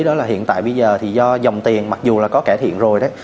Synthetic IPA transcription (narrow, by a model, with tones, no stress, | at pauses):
ɗɔ˨˦laː˨˩ɦḭ˧˨ənt̪ːjɓə˧jzəː˨˩t̪ʰi˨˩zɔ˧za˨˩wŋ͡mt̪i˨˩ənma˨˩k̚zu˨˩laː˨˩kɔ˨˦kaː˧˩t̪ʰḭ˧˨ənzo˨˩jɗə˨˦j